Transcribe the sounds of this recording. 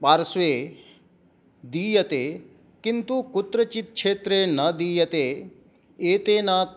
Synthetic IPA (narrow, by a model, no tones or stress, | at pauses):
paːɾsʋe | d̪iːjət̪e | kɪnt̪ukʊt̪ɾət͡ʃɪt̪kʃeːt̪ɾenəd̪iːjət̪e | et̪eːna